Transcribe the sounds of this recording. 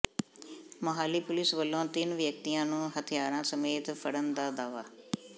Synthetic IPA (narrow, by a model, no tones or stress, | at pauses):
məɦaːliːpʊlɪsʋəlːõːt̪ɪnʋjək̚t̪ijãːnũːɦət̪ʰijaːɾãːsəmeːt̪pʰəɽənd̪aːd̪aːʋaː